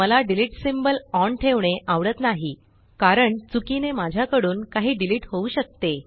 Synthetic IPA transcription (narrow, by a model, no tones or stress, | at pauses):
məlaɖiliʈsimbəlɔɳʈʰeʋɳeʔaʋɽət̪naɦi | kaɾəɳt͡sukinemad͡ʑʱjakəɽuːnkaɦiːɖiliʈɦouːɕək̚t̪e